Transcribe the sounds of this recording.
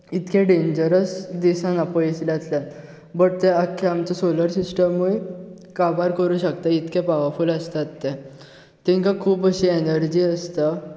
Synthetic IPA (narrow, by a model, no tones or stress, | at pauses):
it̪kẽɖẽɲd͡ʑəɾəsd̪isãnapəislat̪ljat̪ | bəʈ̚t̪ɛakʰːeamt͡sɔsoləɾsisʈəmːue | kabaɾkəɾũːɕək̚t̪ait̪kɛ̃paʋəɾfuːləst̪at̪ːe | t̪ĩŋkãkʰuːbəɕienəɾd͡ʑiːəst̪a